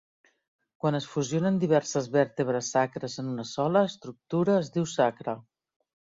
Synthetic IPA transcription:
kwanəsfuzijonənd̪iβ̞ɛrsəzβɛɾt̪əβ̞ɾəsːakɾəzənunəsɔləːst̪ɾuk̚t̪uɾəːzðiwsakɾə

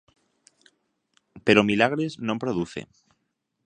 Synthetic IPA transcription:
pe̞ɾomilaɣ̞ɾeznõmpɾoðuθḛ

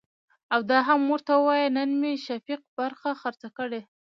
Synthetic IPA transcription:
awd̪ɑɦamːoɾt̪awəwɑjənənmeʃafiq̚baɾxaxaɾt͡sakəɽe

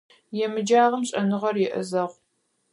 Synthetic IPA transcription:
jɛmɨd͡ʒaːʁɐmɕʼɐnɨʁɐrjɛʔɨ̰zɐʁʷ

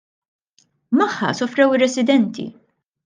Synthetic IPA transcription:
mɐħːɐ̰sɔfɾɛwɪrːɛsɪd̪ɛnt̪ḭ

